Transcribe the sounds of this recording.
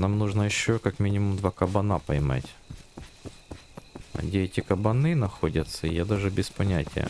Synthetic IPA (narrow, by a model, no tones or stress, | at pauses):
namnuʐnəjɪɕːokakmʲinʲɪmʊmd̪vakɐbɐnapɐjma̰tʲ | ɐ̰dʲeɛtʲɪkɐbɐnɨnɐxodʲɐt̪sːəijad̪aʐɨbʲɪspɐnʲætʲɪ̰jə̰